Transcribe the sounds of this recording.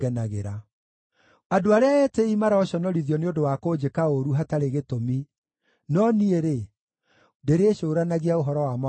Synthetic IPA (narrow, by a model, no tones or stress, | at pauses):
ɛnaɣeɾa | adoaɾeaɛːteimaɾaɔɕɔnɔɾiðjɔneondowakoːd͡ʑekaoɾuɦataɾeɣetomi | nɔnieɾe | deɾeːʃoːɾanaɣiaoɦɔɾɔwama